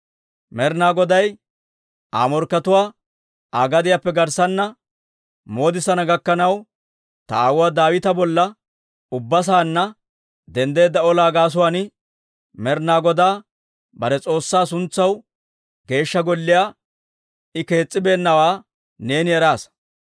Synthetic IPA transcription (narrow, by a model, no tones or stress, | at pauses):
mɛɾnaːɡɔd̪ɐj | ʔa̰ːmɔɾkːɐt̪ʊwaː | aːɡɐd̪ɪjaːpːɛɡɐɾsɐnːɐ | mo̞ːd̪ɪsɐnɐɡɐkːɐnɐw | t̪ɐaːwʊwaːd̪aːwɪt̪ɐbɔlːɐ | ʊbːɐs̬aːnːɐ | d̪ɛnd̪e̞ːd̪ːɐɔlaːɡaːs̬ʊwaːnɪ | mɛɾnaːɡɔd̪aː | bɐɾɛt͡sʼo̞ːsːaːsʊnt͡sːɐw | ɡe̞ːʃːɐɡɔlːɪjaː | ɪke̞ːt͡sʼːɪbe̞ːnːɐwaː | ne̞ːnɪɛɾaːs